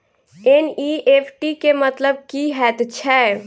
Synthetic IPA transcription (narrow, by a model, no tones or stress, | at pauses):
eniːeːpʰʈikemɐt̪ləb̚kiɦɛːt̪t͡ʃʰɛː